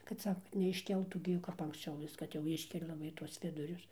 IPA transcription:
kɐt ˈsɑːkɐ kɐt nʲɛɪʃʲˈkʲɛlˠtuː ˈɡʲɪ jɛʊ kɐp ɐŋksʲˈt͡ʃʲɛʊ ˈʋʲɪs kɐt jɛʊ ˈɪʃʲkʲɛlʲɛ lˠɐˈbɐɪ tuɔs ˈʋʲɪdʊrʲʊs

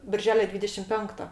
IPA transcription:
bʲɪrʲˈʒʲæːlʲoː ˈdʲʋʲiːdʲɛʃʲɪm ˈpʲɛŋktoː

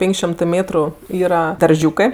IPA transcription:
ˈpʲeːŋʲkʲ ʃʲoːmʲtɜ ˈmʲeːtrʊ ˈiːrɐ dɐrʲˈʒʲuːkɜ

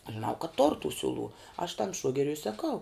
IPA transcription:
ɐʃ ʒʲɪˈnɐʊ kɐt toːr tʊ ˈsʲʊˌlˠuː ɐʃ tɐm ˈʃuɔɡʲɛrʲʊ ɪ sɐˈkɐʊ

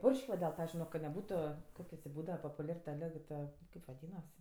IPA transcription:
ˈpʊrʲʃʲkʲ ʋɐ dʲɛlˠ ˈtɐ ˈpɑːʋʲɪzʲd͡ʒʲʊɪ kɐ nʲɛˈbuːtʊ ˈkoːkʲiɛ tʲeː ˈbuːdɐʋɐ poːpʊˈlʲɛr tɐ ˈlʲɪk tɐ ˈkɐɪp ʋɐˈdʲiːnɐs

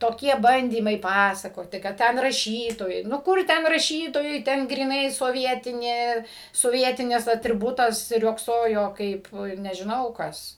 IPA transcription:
toːˈkʲiɛ ˈbɐnʲdʲiːmɐɪ ˈpɑːsɐkoːtʲɪ kɐt ˈtʲɛn rɐˈʃʲiːtoːjɛɪ nʊ ˈkʊr ˈtʲɛn rɐˈʃʲiːtoːjɛɪ ˈtʲɛn ɡrʲiːˈnɐɪ soːˈʋʲiɛtʲɪnʲeː soːˈʋʲiɛtʲɪnʲɪs ɐtʲrʲɪˈbʊtɐs ˈrʲoːksoːjoː ˈkɐɪp nʲɛʒʲɪˈnɐʊ ˈkɐs

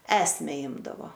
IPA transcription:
ˈæːsʲmʲɛ ˈɪmdɐʋoː

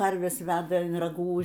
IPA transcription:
ˈkɐrʲʋʲɛs ˈʋʲæːdɐ ɪn rɐˈɡuː

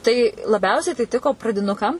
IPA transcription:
tɐɪ lˠɐˈbʲɛʊsʲɛɪ tɐɪ ˈtʲɪkoː prɐdʲɪˈnʊkɐm

